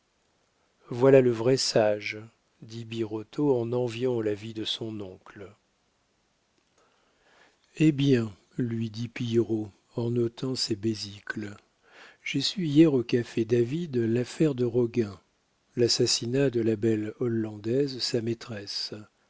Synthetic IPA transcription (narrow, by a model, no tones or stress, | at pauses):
vwalaləvʁɛsaʒ | d̪ibiʁɔt̪ʰoɑ̃nɑ̃vjɑ̃lavid̪əsɔ̃nɔ̃kl | ebjɛ̃ | lɥid̪ipiʁo | ɑ̃nɔt̪ʰɑ̃sɛbezikl | ʒ̥esyijɛʁokafɛd̪avid̪lafɛʁd̪əʁɔɡɛ̃ | lasasinad̪əlabɛlɔlːɑ̃d̪ɛzsamet̪χɛs